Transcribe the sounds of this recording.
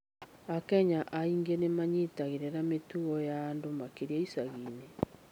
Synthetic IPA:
akɛɲaʔaiŋɡenemaɲetaɣeɾeɾametuɣɔjaːndomakeɾiɛisaɣiːne

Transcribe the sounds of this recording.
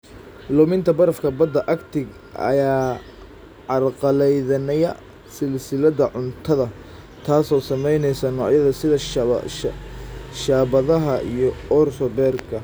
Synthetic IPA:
lʊmɪnt̪ʰɐbɐɾɐfkʰɐbɐd̪ːɐʔɐkt̪ʰɪɡ | ɐ̰jaː | ʕɑrqɑlɛjðɐnɛjɐ | sɪlsɪlɐðɐʕʊnt̪ʰɐðɐ | t̪ʰaːsɔːsɐmɛjnɛjsɐnɔːʕjɐðɐsɪðɐ | ʃaːβɐðɐɦɐḭjɞɔrsɔbɛːrkʰɐ

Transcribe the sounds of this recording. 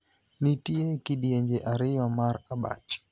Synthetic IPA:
nitiɛkiɗiɛɲd͡ʒɛʔaɾiwamaɾaɓa̰t͡ʃi̥

